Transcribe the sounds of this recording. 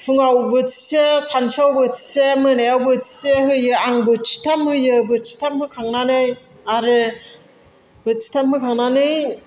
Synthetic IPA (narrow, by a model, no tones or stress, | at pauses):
fʰɯŋawbɯtʰi̥sesanfʰawbɯt͡ʃi̥semɯnajawbɯti̥seɦɯjɯaŋbɯt͡ʃi̥tʰamhɯjɯbɯt͡ʃi̥tʰamhɯkʰaŋnanɯj | aɾɯ | bɯt͡ʃi̥tʰamhɯkʰaŋnanɯj